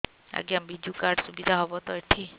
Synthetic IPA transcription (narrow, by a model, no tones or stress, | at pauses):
a̰ɡiambid͡ʒukaɾɖsubid̪ʱaɦɔbɔt̪ɔjʈʰi